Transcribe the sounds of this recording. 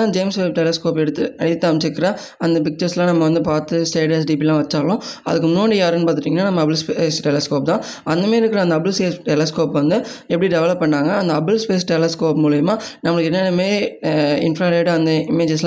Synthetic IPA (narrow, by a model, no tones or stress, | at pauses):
ãd͡ʒeːmsʋelp̚ʈɛlɐskoːpɛɽɯt̪ːɯɐɽɪt̪ːɐmt͡ʃːɪkːɪɾɐ | ɐnd̪ɐpɪk̚t͡ʃɐɾslãːnɐmːɐʋɐnd̪ɯpaːɾt̪ɯsʈeːɖes̬ɖiːp̬ilãːʋɐt͡ʃːaːɭʊ̃ɐ̰ðɯkːɯmnoːɳɖijaːɾɯnpaːɾt̪ɪʈːiːŋɡɐnːaːnɐmːɐbɪlspesʈɛlɐskoːp̚t̪ãː | ɐnd̪ɐmeːɪɾɯkːɪɾɐɐnd̪ɐbɯlseːsʈɛlɐskoːpʋɐnd̪ɯɛpːɐɽiɖɛʋɐlɐpːɐɳːaːŋɡɐːnd̪ɐɐbɯlspeːsʈɛlɐskoːpmuːɭɐjɐmaːnɐmːɐɭɯkːɛnːeːnɐmeː | ɪ̰nfɾaːɾeːɽɯɐnd̪ɐɪmeːd͡ʒɐs̬lã